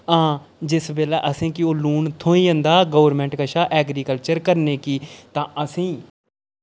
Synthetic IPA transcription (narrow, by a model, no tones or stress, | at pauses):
ãː | d͡ʒɪsbeːlɛːʔəsĩːkɪoːluːɳt̪ʰõːĩːə̃nd̪aːɡoːʋəɾmɛ̃ːɳʈkəʃaːʔɛːɡɾiːkəlt͡ʃəɾkəɾneːkiːt̪ãːʔəsĩː